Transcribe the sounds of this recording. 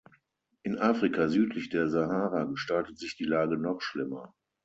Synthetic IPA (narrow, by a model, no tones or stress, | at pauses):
ʔɪnʔaːfʁ̥ikʰazyːtʰlɪçd̥eːɐzaɦaːʁaɡəʃtaltətz̥ɪçd̥iːlaːɡənɔχʃlɪmɐ